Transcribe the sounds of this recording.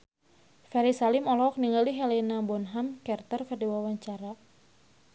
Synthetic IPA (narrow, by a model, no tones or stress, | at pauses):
fɛɾisalimɔlɔɔk̚niŋaliɦɛlɛnabɔnɦamkɛrt̪ərfɛrdiwawaɲt͡ʃaɾa